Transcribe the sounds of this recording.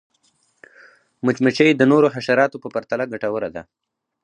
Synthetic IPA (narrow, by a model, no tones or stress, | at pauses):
mət͡ʃmət͡ʃəjed̪ənoɾoɦaʃaɾɑt̪opəpaɾt̪alaɡaʈawəɾad̪a̰